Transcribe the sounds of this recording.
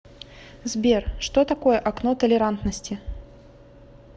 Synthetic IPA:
zbʲerʂt̪ot̪akojəʔaknot̪əlʲɪɾant̪nəsʲtʲɪ

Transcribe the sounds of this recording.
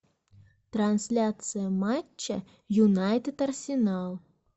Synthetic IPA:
t̪ransʲlʲat̪sɨjəmat͡ɕːə | junɑjt̪ɪt̪ɐrsʲɪnɑlˠ

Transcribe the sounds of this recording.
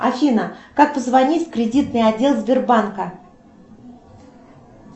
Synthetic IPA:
ɐ̰fʲinəkak̚pəzvɐnʲitʲfʲkɾʲɪdʲit̪̚nɨjɐdʲːe̞lˠzʲbʲɪrbankə

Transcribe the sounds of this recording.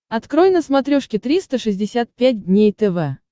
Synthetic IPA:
ɐt̪kɾojnəsmɐt̪ɾʲoʂkʲɪt̪ɾʲist̪əʂɨzʲdʲɪsʲat̪̚pʲæt̚ʲdʲnʲejt̪ɛvɛ

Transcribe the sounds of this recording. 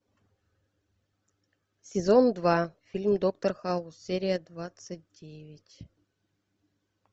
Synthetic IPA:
sʲezond̪vɑfʲilʲmʲd̪okt̪orxɑlˠusʲeɾʲijəd̪vat̪sɨt̚ʲdʲevʲɪtʲ

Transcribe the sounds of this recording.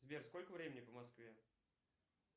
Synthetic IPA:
zbʲerskolʲkəvɾʲemʲɪnʲɪpəmɐskvʲe

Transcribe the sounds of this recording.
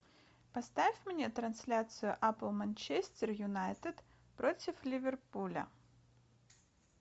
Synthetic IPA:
pɐst̪afʲmnʲet̪ɾɐnsʲlʲat̪sɨjʊʔaplˠmɐnʲt͡ɕesʲtʲɪrjʊnajt̪ɨt̪ | pɾotʲɪflʲɪvʲɪrpulʲə̰

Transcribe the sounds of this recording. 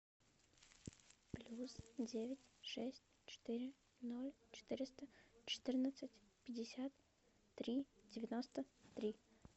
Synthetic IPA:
plʲusdʲevʲɪtʲʂɛsʲtʲt͡ɕɪ̥t̪ɨɾʲɪ | no̞lʲt͡ɕɪ̥t̪ɨɾʲɪst̪ət͡ɕɪ̥t̪ɨrnət̪sɨtʲpʲɪdʲɪsʲat̪ː | ɾʲidʲɪvʲɪnost̪ət̪ɾʲi

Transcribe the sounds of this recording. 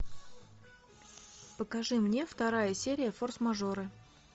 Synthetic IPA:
pəkaʐɨmnʲe̞ft̪ɐɾajəsʲeɾʲɪjəforsmɐʐoɾɨ

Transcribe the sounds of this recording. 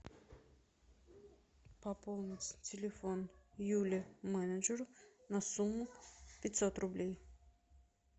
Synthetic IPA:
pɐpolˠnʲɪtʲtʲɪlʲɪfonjulʲɪmɛnəd͡ʒəɾʊnɐsumːʊpʲɪtʲsot̪rʊblʲej

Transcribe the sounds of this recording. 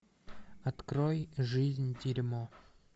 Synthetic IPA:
ɐt̪kɾojʐɨzʲnʲtʲiɾʲmo

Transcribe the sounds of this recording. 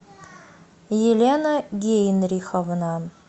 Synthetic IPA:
jelʲenəɡʲejnrʲixəvnɑ

